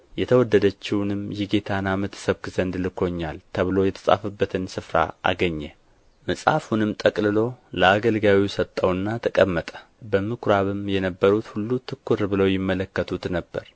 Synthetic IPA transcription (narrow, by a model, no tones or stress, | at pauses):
jɛt̪ʰəwɔd̪ːəd̪ət͡ʃːɪwnɨmjɪɡet̪ʰanamət̪ʰsəβkɨzənd̪lɨkʰo̞ɲːalt̪ʰəβɨlo̞jɛt̪ʰə̥sʼa̰fɨbːət̪ʰɨnsɨfɾa̰a̰ɡəɲːɛ | məsʼa̰funɨmt̪ʼəkʼlɨlo̞ləaɡəlɡawisət̪ʼːəwɨnːat̪ʰəkʼəmːət̪ʼə̥ | bəmɨkʰɾaβɨmjɛnəbːəɾut̪hulːut̪ʰɨkːuɾbɨləwjɪmːələkːət̪ʰut̪nəbːəɾ